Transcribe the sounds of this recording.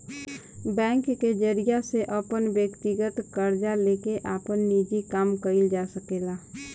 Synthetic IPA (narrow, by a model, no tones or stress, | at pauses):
bɛ̃ːŋkːed͡ʒəɾijaseʔəpənbjəkt̪iɡət̪kəɾd͡ʒalekeʔaːpənːid͡ʒikaːmkəɪld͡ʒasəkela